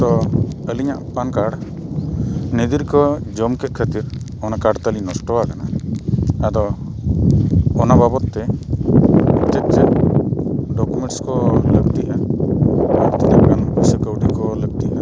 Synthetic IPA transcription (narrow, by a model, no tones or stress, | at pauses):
t̪ɔəliɲa̰ʔpankaɽ | ned̪iɾkɔd͡ʒɔmkɛt̪̚ˀkʰət̪iɾ | ɔnakaɖt̪alinɔsʈɔakana | ad̪ɔ | ɔnababɔt̪ːɛ | t̪ɛt̪̚t͡ʃɛt̚ | ɖɔkumɛ̃ɳʈskɔləɡt̪iʔa | aɾt̪inɛʔ̚kanpisəkəwɖikɔləɡ̚t̪iʔa